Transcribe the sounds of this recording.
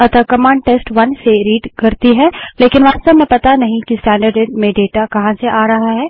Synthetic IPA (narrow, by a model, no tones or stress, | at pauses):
ɐt̪əkɐmãːɳɖ̚ʈeːsʈʋɐnseɾiːɖkɐɾt̪iɦɛ̃ːleːkɪnʋaːst̪əbmẽpɐt̪anɐɦĩkisʈɛ̃ːɳɖəɾɖeɖmẽɖeːʈakɐɦãseʔaːɾɐɦaɦɛː